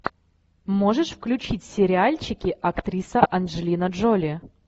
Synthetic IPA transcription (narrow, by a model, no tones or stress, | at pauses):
moʐɨʂfklʲʉt͡ɕitʲsʲɪɾʲɪalʲt͡ɕɪkʲɪʔɐkt̪ɾʲisəʔɐnʐɨlʲinəʐolʲɪ